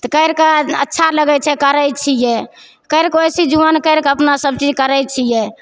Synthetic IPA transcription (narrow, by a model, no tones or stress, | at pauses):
t̪ɔkəɪɾkəətːʃʰaləɡɛt͡ʃʰɛkəɾət͡ʃʰijɛ | kəɪɾkojsid͡ʒuʋankəɾkəpnasəb̚t͡ʃid͡ʒkəɾəjt͡ʃʰijɛ